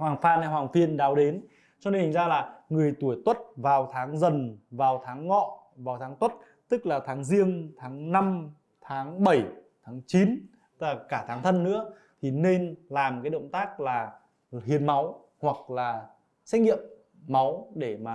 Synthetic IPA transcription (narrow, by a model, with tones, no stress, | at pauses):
hwaː˨˩ŋfaː˧nha˧jhwaː˨˩ŋfi˧ənɗaː˨˦wɗe˨˦n | t͡ɕɔ˧ne˧ni˨˩ŋzaː˧laː˨˩ŋɨ˨˩əjt̪u˧˩əjt̪wə˦˥t̚vaː˨˩wt̪ʰaː˨˦ŋzə˨˩nvaː˨˩wt̪ʰaː˨˦ŋːɔ̰˧˨ | vaː˨˩wt̪ʰaː˨˦ŋt̪wə˦˥t̚ | t̪ɨ˦˥k̚laː˨˩t̪ʰaː˨˦ŋzi˧əŋt̪ʰaː˨˦ŋna˧m | t̪ʰaː˨˦ŋɓə˧˩jt̪ʰaː˨˦ŋt͡ɕi˨˦n˥ | laː˨˩kaː˧˩t̪ʰaː˨˦ŋt̪ʰə˧nːɨ̰˧˥ə | t̪ʰi˨˩ne˧nlaː˨˩mkaː˨˦jɗə̰˧˨wŋ͡mt̪aː˦˥k̚laː˨˩ | hi˨˩ənma˨˦w | hwa˨˩k̚laː˨˩ | sɛ˦˥k̚ŋḭ˧˨əmː | a˨˦wɗe˧˩maː˨˩